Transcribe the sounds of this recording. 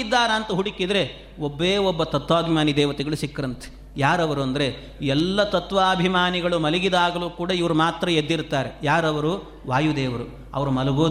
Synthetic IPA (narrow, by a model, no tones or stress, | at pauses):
id̪ːaːɾɐːnt̪ɐɦuɽikid̪ɐɾe̞ | obːeːobːɐt̪ɐt̪ʋaːbʱimaːnid̪ɛːʋɐt̪ɛɡɐɭuʃikːɐɾɐnt̪ʰe̥ | jaːɾɐʋɐɾuɐnd̪ɐɾe̞ | iɛlːɐt̪ɐt̪ʋaːbʱimaːniɡɐɭumɐliɡid̪aːɡɐluːkuːɽɐiʋɐɾumaːt̪ɾɐjed̪ːiɾt̪aːɾejaːɾɐʋɐɾu | ʋaːjud̪ɛːʋɐɾu | ɐ̰ʋɐɾumɐlɐɡoː